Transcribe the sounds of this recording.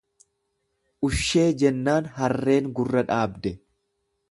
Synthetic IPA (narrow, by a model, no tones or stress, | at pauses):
ʔʊʃːe̞ːd͡ʒɛnːaːnɦɐrːe̞ːŋɡʊrːɐᶑaːbd̪ɛ